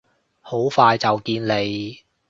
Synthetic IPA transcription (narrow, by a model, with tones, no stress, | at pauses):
ho˨˥wfaː˧jt͡sɐ˨wkiː˧nle˨˧j